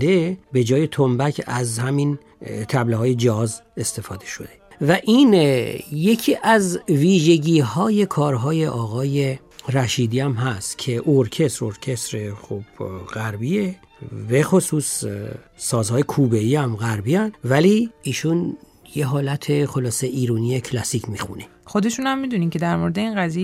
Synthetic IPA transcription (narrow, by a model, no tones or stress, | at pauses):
d̪ebe̞d͡ʒɒːje̞t̪ʰombæcʰæzhæmin | t̪ʰæbleɦɒːje̞d͡ʒæɦɒze̞st̪e̞fɒːd̪e̞ʃo̞d̪e̞væʔinje̞cʰiːʔæzviːʒe̞ɟiːhɒːje̞kʰɒːɾɦɒːje̞ʔɒːɣɒːje̞ | ɾæʃiːd̪iæmɦæst̪cʰe̞ʔoɾcʰe̞st̪ɾoɾcʰe̞st̪ɾexob̥ɣ̥æɾbie | be̞xosuːs | sɒːzhɒːjekʰuːbeiːæmɣæɾbiænvæliiːʃun | jeɦɒːlæt̪ʰexo̞lɒːse̞ʔiːɾuːniecʰlæsicʰmixṵne̞ | xod̪e̞ʃunhæmːid̪unicʰe̞d̪æɾmoɾed̪einɣæziːe